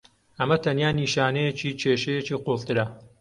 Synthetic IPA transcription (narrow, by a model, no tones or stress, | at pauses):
ʔɐmɐt̪ʰɐnjaːniːʃaːnejet͡ʃiːt͡ʃʰeːʃejet͡ʃiːqolt̪ɨɾɐ